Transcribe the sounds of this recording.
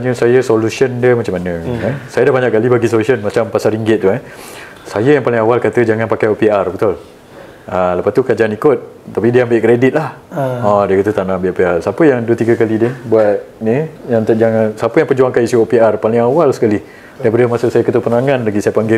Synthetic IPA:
ɲəsajəsolusəndiəmat͡ʃamanə̃ɛsajədahbaɲaʔkːalibaɡisolusənmat͡ʃampasaɾiŋɡɪt̪̚ːuɛ | sajəjaŋpalɪŋawalkat̪əd͡ʒaŋanpakajopiarbət̪ʊl | aləpast̪ukad͡ʒaanikʊt̪̚t̪ːapidiəambɪʔkɾedit̪̚lahɔdiəkət̪ut̪anambeʔopiarsapəjaŋduət̪iɡəkalidəbwat̪̚nijaŋt̪aʔd͡ʒaŋansapəjaŋpərd͡ʒuaŋkanisuopiarpalɪŋawalsə̥kalih | dabədəmasʊʔsajəkət̪upənaŋanlaɡisajəpaŋɡɪ

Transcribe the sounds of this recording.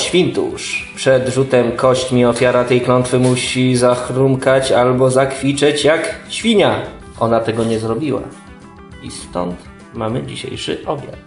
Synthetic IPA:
ɕfʲint̪ṵʂpʂɛd̪ʐut̪ɛmkɔɕt͡ɕmʲiɔfʲjaɾat̪ɛjklɔnt̪fɘmuɕizaxɾumkat͡ɕalbɔzakfʲit͡ʂɛt͡ɕjakɕfʲiɲa | ʔɔnat̪ɛɡɔɲɛzɾɔbʲiwa̰ | ḭst̪ɔ̰nt̪ | mamɘd͡ʑiɕḛjʂɘ̰ʔɔbʲja̰t̪

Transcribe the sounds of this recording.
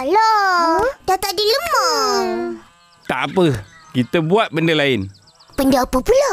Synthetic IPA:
lɔ | dat̪aʔdiləməŋ | t̪aʔapəkit̪əbuat̪̚bəndəlaɪn | pəndaapəpula

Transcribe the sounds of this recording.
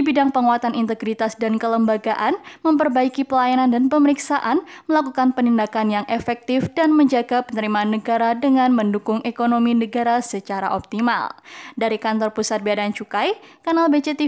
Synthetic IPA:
ibidaŋpəŋuat̪anint̪əɡɾit̪asdankələmbaɡaʔanməmpərbaikipəlajanandanpəməɾiksaʔanməlakukanpənindakanjaŋʔɛfɛk̚t̪ɪfdanməɲd͡ʒaɡapənəɾimaːnːəɡaɾadəŋanməndukʊŋʔekonominəɡaɾasət͡ʃaɾa̰ʔɔp̚t̪ima̰ldaɾikant̪ɔrpusat̪̚biadant͡ʃukajkanalbet͡ʃet̪i

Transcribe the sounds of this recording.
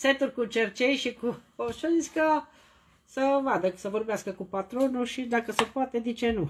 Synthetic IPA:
set̪uɾkut͡ʃert͡ʃɛjʃikuoʃəiskə | səvad̪əsəvorbeaskəkupat̪ɾonuʃid̪akəsəpuat̪ed̪it͡ʃenu

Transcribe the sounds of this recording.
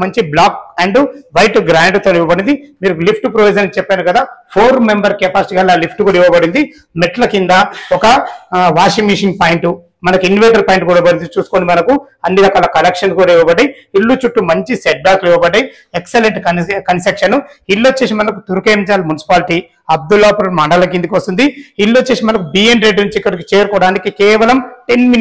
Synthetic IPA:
mɐɲt͡ʃiblaːk̚ɐɳɖuʋɐjʈɡɾaːɳɖt̪oniʋɐbɐɽind̪imiːɾulipʰʈupɾoʋid͡ʒɐnt͡ʃɛpːaːnukɐd̪aːpʰoːɾmembɐɾkeːpaːsiʈiɡaːlaːlipʰʈukuːɽɐiʋɐbɐɽind̪i | meʈlɐkind̪aɔkɐʋaːʂimːiːʂiŋɡ̚paːjiɳʈu | mɐnɐkuinɖiʋeːʈɐɾpaːiɳʈkuːɽɐbɐɽind̪it͡ʃuːsu̥koːnimɐnɐku | ɐnːiɾɐkaːlɐkɐlekʂɐnkuːɽɐiʋɐbɐɖːɐji | ilːut͡ʃuʈːumɐɲt͡ʃiseʈ̚baːkliʋɐbɐɖɐji | ekseleɳʈkɐkɐnsekʂɐnu | ilːot͡ʃːeːsimɐnɐkut̪uɾukeːmit͡ʃaːlɐmunisi̥paːliʈi | ɐb̚d̪ulːaːpuɾɐmaɖɐlɐk̬ːind̪ikʋɐst̪und̪iilːot͡ʃːeːsimɐnɐkubiːenɾeɖnuɲt͡ʃikːɐɽikit͡ʃeːɾukɔːɽaːnikikɛːʋɐlɐmʈenmi

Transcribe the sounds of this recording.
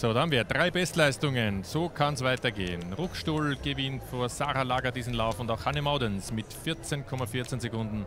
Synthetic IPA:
soːdahamviːɐdʁaɪbɛstlaɪstʊŋənzoːkʰansvaɪtɐɡḛːənʁʊkʃtuːlɡ̥əvɪntfoːɐzaːʁalaːɡɐdiːzn̩laʊfʊndaʊxhanəmaʊdɛnsmɪtfɪɐt͡senkʰɔmafɪɐt͡senzekʊndn̩

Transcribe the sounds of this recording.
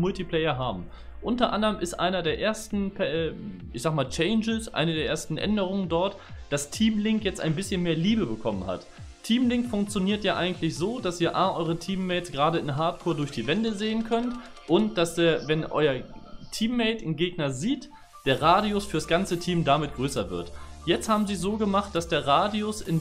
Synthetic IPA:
mʊltipl̥ɛɪɐɦaːbm̩ | ʔʊntɐʔa̰ndɐʁəmɪstʔa̰ɪnɐdeːɐʔeːɐstn̩pʰɛʔɪçz̥aːɡmaːlt͡ʃɛɪnd͡ʒəsʔa̰ɪnədeːɐʔeːɐstn̩ʔɛ̰ndəʁ̞ʊŋəndɔɐt | d̥astʰiːmlɪŋkjɛt͡stʔa̰ɪnbɪsçənmeːɐliːbəbəkʰɔmənha̰t | tʰiːmlɪŋkfʊŋk̚t͡sjoniːɐtjaːʔaɪɡŋ̩tlɪçz̥oːd̥asiːɐʔaːʔɔʏʁ̞ətʰiːmːɛɪt͡sɡ̥ʁaːɾəɪnɦaɐtkʰoːɐdʊɐçd̥iːvɛndəzeːənkʰœnt | ʔʊnt̚d̥aseːɐvɛnʔɔ̰ʏɐtʰiːmːɛɪtɪnɡeːɡnɐziːt | d̥eːɐʁaːdiʊsfyːɐɾasɡ̥ant͡sətʰiːmdamɪt̚ɡ̥ʁøːsɐvɪ̰ɐtjɛt͡sthaːbm̩ziːzoːɡəmaχt̚d̥asd̥eːɐʁaːdiʊsɪn

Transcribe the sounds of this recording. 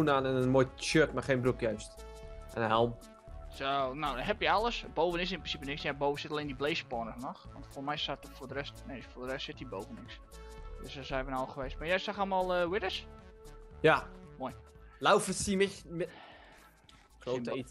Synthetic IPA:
unaːnɛnənmoːjʃøtmaxẽnbrukjœɥst | ʔɛnhɛlˠm | sonowɦɛpjəalˠəsbowvənɪsɪnprɪnsipənɪksjaboːvənsɪtaleːndibleːspɔnəsnɔxʋɔ̰ntfomɛjsatfoːrdərɛstnejfodərɛstsɪtdibowvənɪks | døsdɔsɛjʋənaxəʋeːstmajɛjsaxalˠmalˠəwɪdəs | jamojlawfəsimɪ | klo

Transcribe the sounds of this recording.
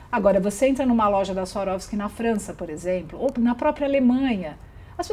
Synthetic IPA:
aɡɔɾɐvoseẽnt̪ɾɐnũmɐlɔʒɐd̪ɐsaɾɔvɪskɪnɐfɾɐ̃sɐpoɾezẽplʊonɐpɾɔpɾiɐalemɐ̃ɲɐ | ɐspe

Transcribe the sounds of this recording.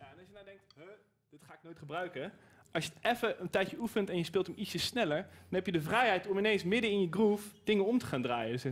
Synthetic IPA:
jaɛnɑlˠʃjənawdɛŋktɦə | d̥ɪtχaːɪk̚noːjtχəbrœɥkə | ʔɑsjətʔɛfəʔəntɛjəufəntɛnjəspɪːlˠtəmitsəsnɛləɹdnɦɛpjədəvrɛjɦɛjtɔmɪnejnsmɪdənɪnjəɡrufd̥ɪŋənɔmtə̥χaːndraːjəs

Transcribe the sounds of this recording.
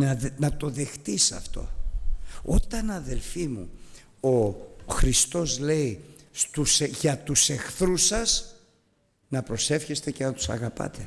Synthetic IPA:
nɐnɐt̪o̞ðe̞xt̪isɐ̰ft̪o̞̰ | o̞t̪ɐnɐðe̞lfimṵ | oxɾist̪o̞zle̞ist̪usʝɐt̪use̞xθɾusɐs | nɐpɾo̞se̞fçe̞st̪e̞ce̞nɐt̪u̥sɐ̰ɣɐpɐ̰t̪e̞

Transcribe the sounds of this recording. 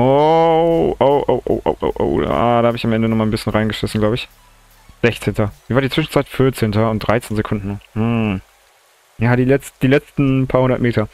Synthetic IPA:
ʔo | ʔoʊʔo̰ʊʔo̰ʊʔo̰ʊʔo̰ʊʔo̰ʊa̰ːdahaːbəɪçamʔɛndənɔχmaːlnbɪsçənʁaɪnɡəʃɪsn̩ɡlaʊbəɪç | z̥ɛçt͡seːntɐviːvaːɐdit͡sv̥ɪʃn̩t͡saɪtfɪɐt͡seːntɐʊnt̚d̥ʁaɪt͡seːnzekʰʊndn̩nʊm̩ | jaːɾiːlɛt͡std̥iːlɛt͡stn̩pʰaɐhʊndɐtmeːtʰɐ

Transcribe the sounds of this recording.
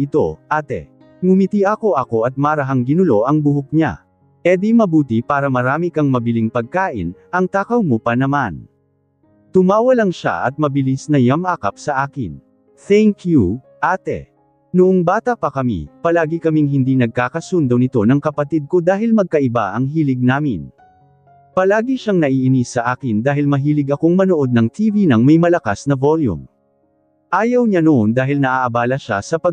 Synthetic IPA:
ɪt̪o̞̰ʔaːt̪ɛ̰ | mʊmit̪iʔɐko̞ʔɐko̞ʔɐt̪̚maɾɐɦaŋɡɪnʊlo̞ʔɐŋbʊɦʊk̚ɲa̰ | ʔɛd̪imɐbuːt̪ipaːɾɐmɐɾaːmikɐŋmɐbɪliŋpɐɡ̚kaːʔɪ̰nʔɐŋt̪aːkɐwmopɐnɐman | t̪ʊmaːwɐlɐŋʃa̰ʔɐt̪̚mɐbɪlisnɐjɐmʔaːkɐp̚sɐʔaːkɪ̰n | θɛŋkju | ʔaːt̪ɛ̰ | nʊʔoŋbaːt̪ɐpɐkɐmḭpɐlaːɡikɐmiŋɦɪnd̪inɐɡ̚kaːkɐsund̪onɪt̪o̞nɐŋkɐpɐt̪id̪̚ko̞d̪aːɦɪlmɐɡ̚kɐʔɪba̰ʔɐŋɦiːlɪɡ̚naːmɪ̰n | pɐlaːɡiʃaŋnɐʔiʔɪnisɐʔaːkɪnd̪aːɦɪlmɐɦiːlɪɡɐko̞ŋmɐnoʔo̞d̪̚nɐŋt̪ʰivinɐŋmɐjmɐlɐkasnɐvoljṵm | ʔaːjɐwɲanoʔond̪aːɦɪlnɐʔaʔɐbaːlɐʃa̰sɐpɐ

